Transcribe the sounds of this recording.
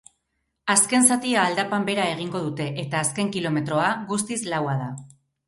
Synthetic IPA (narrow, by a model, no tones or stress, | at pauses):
aske̞nsat̪iaːld̪apambe̞ɾae̞ɣ̞iŋɡo̞ð̞ut̪e̞ʔet̪aːske̞ŋkilo̞me̞t̪ɾo̞aɣust̪islawað̞a